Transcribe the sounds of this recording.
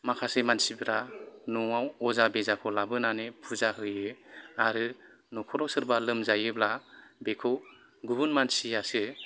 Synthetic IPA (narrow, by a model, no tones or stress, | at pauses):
makʰasɯmansibɾanɔŋawɔzabezakʰɔlabɯnanepʰuzaɦɯjɯaɾɯ | nɔkʰɔɾɔsɯɾbalɯmzajɯblabekʰɔw | ɡubunmansiasɯ